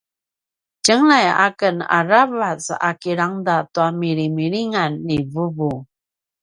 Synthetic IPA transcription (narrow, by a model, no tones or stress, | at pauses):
cəŋlaja̰kəna̰ɾavat͡sa̰kiɾaŋdatuamiɾimiɭiŋanːivəvu